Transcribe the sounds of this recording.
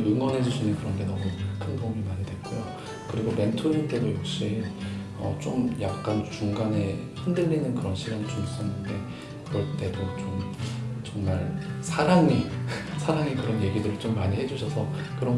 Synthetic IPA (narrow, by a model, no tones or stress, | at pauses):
ɯŋwʌnɦe̞d͡ʑuɕʰinɯnkɯɾʌnɡe̞nʌmukʰɯnbomimaɲidwe̞t̚k͈ojo | kɯɾiɡome̞ntʰoindʰedojok̚ɕ͈i | ʌ̰t͡ɕ͈omjak̚k͈ant͡ɕuŋɡane̞çindɯːinɯnkɯɾʌnɕʰiɾjaŋt͡ɕums͈ʌnːɯnde̞ | kɯɾʌɭt͈e̞dot͡ɕomt͡ɕʌŋmaɭsʰaɾaŋisʰaɾaŋikɯɾʌnje̞ɡidɯɾɯɭt͡ɕomːaɲiɦe̞d͡ʑuɕʰʌsʰʌ | kɯɾʌn